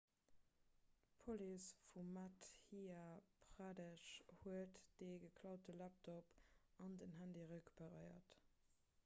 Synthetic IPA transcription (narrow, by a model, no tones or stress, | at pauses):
pʰolisfumːæthiapʁaːdəʃhuətd̥eɡəkʰlɑʊt̚əlæp̚tʰop | ɑndənɦændiʁəkbəʁəɪɐ̰t